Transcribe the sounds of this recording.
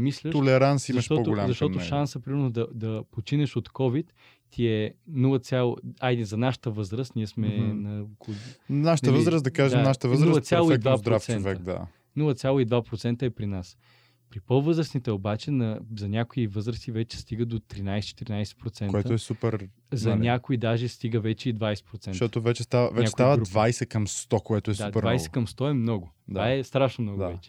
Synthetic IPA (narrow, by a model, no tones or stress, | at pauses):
mislʲət̪olɛɾansimɐʃt̪ɔpɡ̪oʊlamzɐʃt̪ɔnt̪oʃʃansəpɾimɛɾnod̪ɐd̪ɐpot͡ʃinɛʃot̪kɔvit̪ː | iɛnulˠət̪sʲjalˠad̪izɐnaʃə̥t̪əvɤzɾəst̪niɛsmɛnɐknaʃət̪əvəzɾəsd̪ɐkaʒɛmnaʃə̥t̪əvəzɾulˠət̪sʲjalˠoid̪vavpd̪ɾoafsɛnonvɛk̚d̪a̰ | nulˠət̪sʲjalˠoid̪vapɾot̪sɛnt̪əɛpɾinas | pɾipɤlˠvɤzɾəsnit̪ɛobat͡ʃɛnɐzɐnʲakoivɤzɾəsivɛt͡ʃɛ̥st̪iɡəd̪ot̪ɾinajsɛ̥t͡ʃɛ̥t̪ɛɾʲinajsɛ̥pɾot̪sɛnoɛt̪əoɛsupɛɾ | zɐnʲakoid̪aʒɛst̪iɡəvɛt͡ʃɛid̪vajsɛ̥pɾot̪sɛnʃt̪ɔt̪ovɛt͡ʃɛst̪avə̰vɛɲakɛst̪iavəɾud̪vajsɛkɐmst̪ɔkoɛt̪oɛsd̪audpɛɾvajsɛ̥kɐmst̪ɔɛmnɔɡʊd̪aɛst̪ɾaʃnomnɔɡ̪avɛt͡ʃɛ̥